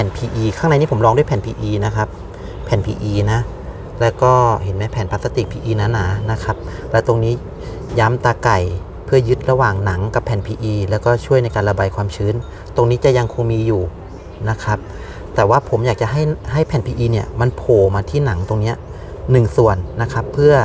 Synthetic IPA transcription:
pʰɛː˨˩npʰiː˧ʔiː˧kʰaː˥˩ŋna˧jniː˥˩po˩˦mlɔː˧ŋdu˥˩ə˨jpʰɛː˨˩npʰiː˧ʔiː˧na˦˥kʰa˦˥p̚ʰː | ɛː˨˩˦npʰiː˧ʔiː˧na˦˥ | lɛː˦˥wkɔː˥˩he˩˦nmɛː˦˥pʰɛː˨˩˦npaː˨˧t̪sa˧t̪i˨˩k̚pʰiː˧ʔiː˧na˦˥nːaː˨˩˦na˦˥kʰa˦˥p̚ | lɛː˦˥wt̪o˧ŋniː˦˥ | jaː˦˥mt̪aː˧ka˨˩j | pʰɯ˥˩ɐjɯ˦˥t̪̚ɾa˧waː˨˩ŋna˩˦ŋka˨˩pʰːɛː˨˩npʰiː˧ʔiː˧lɛː˦˥wkɔː˥˩t͡ɕʰu˥˩əjna˧jkaː˧nla˧baː˧jkʰwaː˧mt͡ɕʰɯː˦˥n | t̪o˧ŋniː˦˥t͡ɕa˨˩ʔja˧ŋkʰo˧ŋmiː˧juː˨˩ | na˦˥kʰa˦˥p̚ | t̪ɛː˨˩waː˥˩pʰo˩˦mjaː˨˩k̚t͡ɕa˨ɦa˥˩jha˥˩jpʰɛː˨˩npʰiː˧ʔiː˧ni˧˥˩ɐma˧npʰoː˨˩maː˧t̪ʰiː˥˩na˩˦ŋt̪o˧ŋni˦˥ɐ | nɯ˨˩ŋsu˨˩ənːa˦˥kʰa˦˥pʰːɯ˥˩ɐ

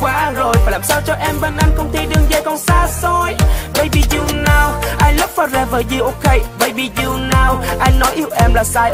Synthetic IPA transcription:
kwaː˨˧˦zo˨˩jfaː˨˩jlaː˨˩saː˧wt͡ɕɔ˧ʔɛ˧mɓe˧nʔa˧jŋ̟kə˧wŋ͡mt̪i˧ɗɨ˧ŋzaː˧jkɔ˧˩nsaː˧so˧jvə̰˧˩jɓḭ˧˨˩zu˧˨naː˨˩wʔa˧jŋlə˦˥p̚faː˧˩zɛ˧˩vəː˧˨˩jzi˨˩ʔo˧ke˧˦jvə̰˧˩jɓḭ˧˨˩zi˨˧˩naː˨˧˩wʔa˧jŋnɔ˨˦jʔi˧˦əwʔɛ˧mlaː˨˩saː˧j

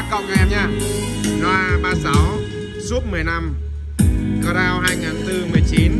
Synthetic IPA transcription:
kɔ˧˩ŋɛ˧ɲaː˧˩ | nɔ˨˦la˧ɓaː˧˩za˨˦w | zu˦˥p̚mɨ˨˩əjna˧m | kɔ˧ɾaː˧whaː˧jŋaː˨˩nt̪ɨ˧mɨ˨˩əjt͡ɕi˨˦n

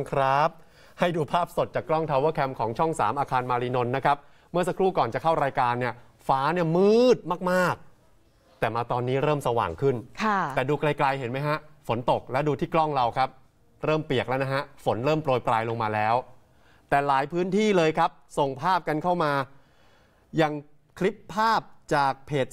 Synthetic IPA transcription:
kʰɾa˦˥p̚ | ha˥˩jduː˧pʰaː˥˩p̚so˨˩t̪̚t͡ɕaː˨˩kːlɔ˥˩ŋt̪ʰa˧waː˦˥˩kʰɛ˧mkʰɔː˩˦ŋt͡ɕʰɔ˥˩ŋsa̰ː˩˦mʔaː˧kʰaː˧nmaː˧ɾiː˧no˧nːa˦˥kʰa˦˥p̚ | mɯ˥˩ɐsa˧˦kʰɾuː˥˩kɔː˨˩nt͡ɕa˨˩kʰa˥˩wɾaː˧jkaː˧nːi˥˩ɐ | faː˦˥ni˥˩ɐmɯː˥˩˥t̪̚maː˥˩k̚maː˥˩k̚ | t̪ɛː˨˩maː˧t̪ɔː˧nːiː˦˥ɾɤː˥˩msa˧wa̰ː˨˩ŋkʰɯ˥˩nkʰa˥˩t̪ɛː˨˩duː˧kla˧jkla˧jhe˩˦nma˦˥jɦa˦˥ʔfo˩˦nt̪o˨˩k̚lɛː˦˥wduː˧t̪ʰiː˥˩klɔ˥˩ŋɾa˧wkʰa˦˥p̚ | ɾɤː˥˩mpi˨˩ək̚lɛ˦˥na˦˥ɦa˦˥ʔfo˩˦nɾɤː˥˩mpɾoː˧jpɾaː˧jlo˧ŋmaː˧lɛː˦˥w | t̪ɛː˨˩laː˩˦jpʰɯː˦˥nt̪ʰiː˥˩lɤː˧jkʰa˦˥p̚so˨˩ŋpʰaː˥˩p̚ka˧nkʰa˥˩wmaː˧ | ja˧ŋ | kʰli˦˥pʰːaː˥˩p̚t͡ɕaː˨˩k̚pʰːeː˨˩t̪̚

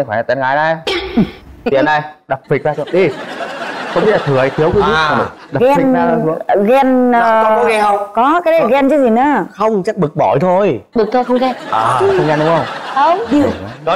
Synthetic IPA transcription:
xaː˧˩˨a˨˩t̪a˨˦nɣaː˨˦jna˧˩j | t̪ḭ˧˨ə˨nɗə˧jɗə˨˩p̚fi˨˩k̚aː˧t̪u˧˦ə˦ɗi˧ | xə˧wmi˦˥la˨˩t̪ɨ˨˩ə˨˦t̪ʰi˨˦əwk | ɗa˨˩ɣɛ˧fi˨naː˧u˨˦ɣɛ˧nː˨˧˩ | kɔ˨˦kaː˨˦˨ɣɛ˧nt͡ɕɨ˨˦zi˨˩nɨ̰˨˧˦xə˧wŋ͡mt͡ɕa˦˥k̚ɓɨ˨˩k̚ɓɔ˧˩jt̪ʰo˧jɓɨ˨˩k̚t̪ʰo˧jxə˧ŋ͡mɣɛ˧nʔaː˨˩˨xxə˧wŋ͡mɣɛ˧˩nɗʊ˨˦ŋ͡mxə˧wŋ͡mxə˧wŋ͡mi˧˩˧ɔ˨˦ɔ˨˦

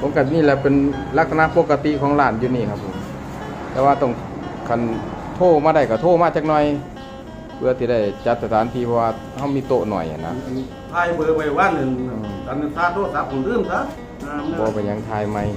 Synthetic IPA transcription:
pʰo˧˦mka˧niː˧˨lɛ˧pe˨n | la˧k̚t̪ʰa˧na˧˨po˧kːa˧t̪i˧˨ʔkʰɔː˨˦ŋlaː˧˩njuː˧˨niː˧˩˨kʰa˧˩pʰːo˨˧˦m | t̪ɛ˧˩waː˧t̪ɔ˧˩ŋkʰa˧˨nt̪ʰoː˧˩˨maː˧ɾa˧˩jka˧˩t̪ʰoː˧˨maː˧˩t͡ɕa˧k̚nɔ˧˨j | pʰɯ˧ɐ˧t̪ʰiː˧da˧˩jt͡ɕa˧˦t̪̚sa˧˩t̪ʰaː˨˦nt̪ʰiː˧pʰɔː˧waː˧ | ha˧˩wmiː˧˨t̪o˧˨ʔnɔ̰˨˩ja̰˨˩na̰˧ | t̪ʰaː˧jbɯː˧wa˧˩jwa˧˥˨nɯ˧˨nː˧˩sa˨˧˦nɯ˧˨saː˧˥˨t̪ʰoː˧˥˨sa˧˥p̚ʰu˧˨ndɯː˧˥˨msa˧˥ | aː˧˥˨m˧bɔː˧pa˧˩ɲa˧˦ŋt̪ʰaː˧jma˧˩j

